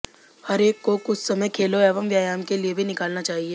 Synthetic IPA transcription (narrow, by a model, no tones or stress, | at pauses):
hɐɾeːkːokʊt͡ʃʰsɐməjkʰeːloɛːʋəmʋjaːjaːmkeliebʱinɪkaːlnat͡ʃaːɦieː